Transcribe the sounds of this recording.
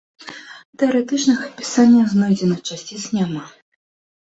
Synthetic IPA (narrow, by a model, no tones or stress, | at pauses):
t̪ɛɐɾɛt̪ɨt͡ʂnɨxɐpʲi̥sanʲːɐznɔjd͡zʲɛnɨt͡ʂasʲt͡sʲit͡sʲnʲama